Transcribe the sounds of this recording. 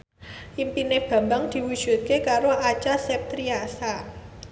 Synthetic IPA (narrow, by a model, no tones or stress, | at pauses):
ʔimpineb̥ä̤mbaŋd̪̥i̤wud̥ʒ̥ṳt̪̚kekaɾoʔat͡ʃasɛp̚t̪ɾiasa